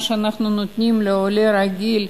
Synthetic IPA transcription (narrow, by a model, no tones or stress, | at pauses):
ʃeanaχnunot̪nʲimleoleɾaɡʲil